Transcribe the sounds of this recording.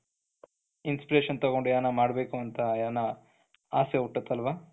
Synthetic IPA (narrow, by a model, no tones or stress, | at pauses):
inspiɾeːʃɐnt̪ɐɣoɳɖujaːnɐmaːɽbeːkuɐnt̪ɐjaːnɐ | aːseuʈːɐt̪ːɐlʋaː